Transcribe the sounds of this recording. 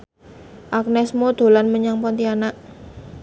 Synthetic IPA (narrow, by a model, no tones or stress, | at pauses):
ʔak̚nɛsmod̪̥o̤lanməɲaŋpɔnt̪ianaʔ